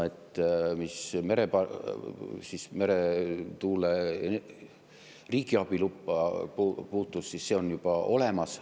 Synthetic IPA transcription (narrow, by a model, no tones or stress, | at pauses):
et̪ːˑmisme̞ɾepɑ | sisme̞ɾet̪uːle | riːɡ̥iɑb̥ilupːɑpːpuːt̪ːˑussisse̞o̞njub̥ɑo̞le̞mɑs